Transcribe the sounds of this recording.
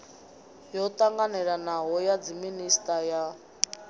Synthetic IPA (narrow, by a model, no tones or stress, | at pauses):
jɔtʼaŋɡanɛɺanaɦɔjad͡ziministʼaja